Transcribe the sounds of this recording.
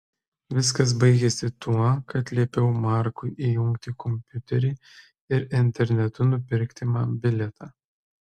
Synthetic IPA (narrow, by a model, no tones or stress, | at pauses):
ʋʲɪs̬kɐs̬bɐɪɡʲɛsʲɪt̪ʰuɔkɐt̪ʲlʲiɛpʲɛʊmɑˑɾkʊɪʔijʊŋkt̪ʲɪkʰɔmʲpʲʊt̪ʲɛɾʲɪː | ɪɾɪnʲt̪ʲɛɾʲnʲɛt̪ʊnʊpʲɪɾʲkt̪ʲɪmɑːbʲɪlʲɛt̪ʰɑː